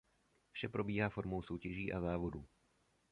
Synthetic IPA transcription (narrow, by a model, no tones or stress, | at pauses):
fʃɛpɾo̞biːɦaːfo̞ɾmowso̞wcɛʒiːʔa̰zaːvoduː